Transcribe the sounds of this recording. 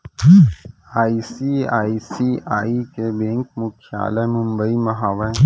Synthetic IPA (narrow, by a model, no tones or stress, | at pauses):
aːisiaːisiaːikebẽŋkmʊkʰia̰ːlɐmʊ̃mbəimɐɦaːʋə̃